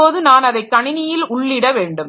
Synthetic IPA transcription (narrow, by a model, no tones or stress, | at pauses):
oːðɯnaːnɐðɐɪkːɐɳɪnɪjɪlʊɭːɪɽɐʋeːɳɖɯm